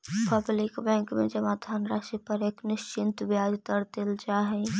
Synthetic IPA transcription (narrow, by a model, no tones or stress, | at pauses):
pɐblɪkbɛ̃ːŋkmḛ̃d͡ʒɐmaːd̪ʱaːnɾaːʃipɐɾeːknɪʃt͡ʃɪ̃nt̪bjaːd͡ʒt̪əɾt̪ɪlt͡ʃaːɦɛ